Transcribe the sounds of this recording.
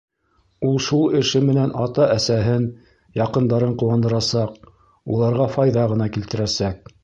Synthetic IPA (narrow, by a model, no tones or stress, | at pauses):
ulˠʃulˠɘ̆ʃɘmɘ̆nænɑt̪ɑʔæsæɦɘn | jɑqɤ̆nd̪ɑɾɤɴquwɑnd̪ɤ̆ɾɑsɑq | ulˠɑɾʁɑfɑjðɑʁɤ̆nɑkilt̪ɘ̆ɾæsæk̚